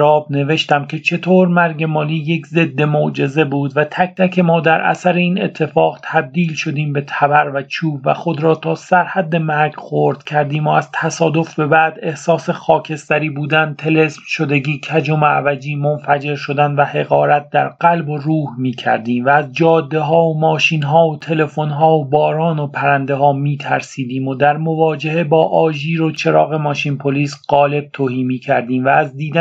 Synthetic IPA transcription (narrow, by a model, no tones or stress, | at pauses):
ɾɒːbne̞ve̞ʃt̪æmcʲʰe̞t͡ʃʰe̞t̪ʰoːɾmæɾɟe̞mɒːliːjekʰze̞d̪ːe̞mod͡ʒe̞ze̞buːd̪væt̪ʰæk̚ʰt̪ʰækʰe̞mɒːd̪æɾʔæ̰sæɾe̞iːne̞t̪ʰːe̞fɒːɣt̪ʰæb̚d̪iːlʃo̞d̪iːmbe̞t̪ʰæbæɾvæt͡ʃʰuːbvæ̰χo̞d̪ɾɒːt̪ʰɒːsæɾhæd̪ːe̞mæɾɡχo̞ɾd̪̥cʲʰæɾd̪iːmoæz̥t̪ʰæsɒːd̪o̞fbe̞bæːd̪e̞hsɒːsexɒːcʰe̞st̪æɾiːbuːd̪ænt̪ʰe̞le̞smʃo̞d̪eɟiːcʰæd͡ʒomeæ̰væd͡ʒiːmo̞nfæd͡ʒe̞ɾʃo̞d̪ænvæhe̞ɣɒːɾæt̪̚d̪æɾɢælbo̞ruːhmiːcʰæ̰ɾd̪iːmvæːzd͡ʒɒːd̪ːe̞ɦɒːomɒːʃiːnɦɒːot̪ʰe̞le̞fo̞nɦɒːobɒːɾɒːno̞pʰæɾænd̪eɦɒːmiːt̪ʰæɾsiːd̪iːmo̞d̪æɾmo̞vɒːd͡ʒehe̞bɒːʔɒːʒiːɾo̞t͡ʃʰe̞ɾɒːɣe̞mɒːʃinpʰoliːsɢ̥ɒːle̞b̥̚t̪ʰoːhiːmiːcʰæɾd̪iːmvæːzd̪iːd̪æ